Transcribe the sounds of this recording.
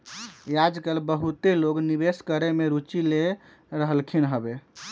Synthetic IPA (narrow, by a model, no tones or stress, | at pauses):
jad͡ʒkəlbəɦut̪eloɡnibeskəɾemeɾut͡ʃile | ɾəɦəlkʰinɦəbe